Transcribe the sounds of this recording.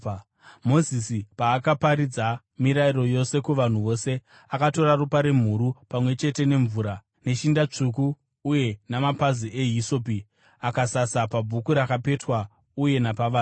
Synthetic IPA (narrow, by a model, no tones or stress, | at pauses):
mo̞zisipaːkapaɾid͡za | miɾairo̞jo̞se̞kuʋan̤uʋo̞se̞ | akato̞ɾarupaɾe̞m̤uɾupamwe̞t͡ʃe̞te̞ne̞ɱvuːɾa | ne̞ʃindat͡ʂukuː | je̞namapaziʔeɦiso̞p̬i | akasasapabʱukuɾakape̞twa | uje̞napaʋaː